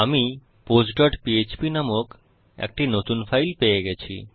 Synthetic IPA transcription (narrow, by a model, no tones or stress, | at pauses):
ami | posɖɔʈpiet͡ɕpinamok | ɛ̰k̚ʈinot̪unfʰajlpeeɡɛt͡ɕʰḭ